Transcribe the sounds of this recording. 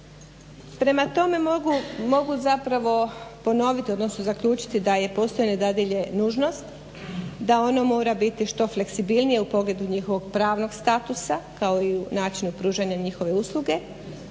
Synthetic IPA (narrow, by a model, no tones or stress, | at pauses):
pɾe̞mat̪o̞me̞mumo̞ɡuzapɾaʋo̞po̞no̞ʋit̪io̞d̪nosnozakʎuːt͡ʃi̥t̪id̪aje̞po̞st̪o̞jned̪ad̪iʎe̞nuːʒno̞st̪ | d̪ao̞nomo̞ːɾabit̪iʃt̪o̞fle̞ksibilˠnije̞upo̞ɡle̞d̪uɲixo̞ʋo̞ɡpɾaːʋno̞ɡst̪at̪usakao̞iunaːt͡ʃinupɾuːʒaɲaɲixo̞ʋe̞uslˠuɡe̞